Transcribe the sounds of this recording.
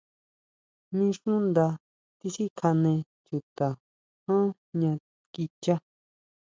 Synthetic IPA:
nĩ˧˦ʂũ˦nd̪a˧ | t̪i˧si˦kʰa˧nẽ˧ | t͡ʃu˧t̪a˨ | hã˦ | ɲã˧ | ki˧t͡ʃa˦

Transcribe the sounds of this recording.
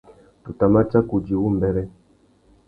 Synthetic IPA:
tu˨ta˨ma˦t͡ʃa˦ku˨d͡ʒi˨wu˦˨m˨bɛ˦ɾɛ˦

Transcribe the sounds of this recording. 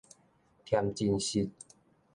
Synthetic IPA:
t̪ʰja˧mt͡ɕi˧nɕi˧t̚

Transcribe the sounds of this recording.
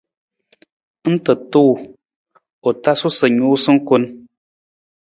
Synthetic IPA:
n̩˦tə˨tu˦˨ | ɔ˨ta˦su˦sə˨ɲu˨˦sɨ˦ŋ̩˦ku˦n

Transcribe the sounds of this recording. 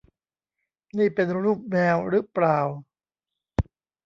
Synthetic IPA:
niː˥˩pe˧nɾuː˥˩p̚mɛː˧wɾɯ˦˥plaː˨˩w

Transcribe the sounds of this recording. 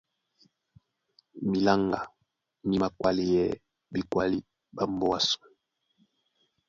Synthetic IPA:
mi˨la˦ŋɡa˨ | mi˦ma˨kwa˨li˨jɛ˦ | bi˨kwa˦li˦ | ba˨mbɔ˦a˦su̥˨

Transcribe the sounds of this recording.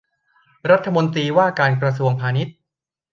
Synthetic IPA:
ɾa˦˥t̪ʰːa˧mo˧nt̪ɾiː˧waː˥˩kaː˧nkɾa˧s̬u˧əŋpʰaː˧ni˦˥t̪̚

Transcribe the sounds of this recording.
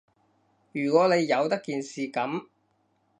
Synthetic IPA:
jyː˨˩kʷɔː˨˥ne˨˧jːɐ˨˧wt̪ɐ˥kːiː˨nsiː˨kɐ˨˥m

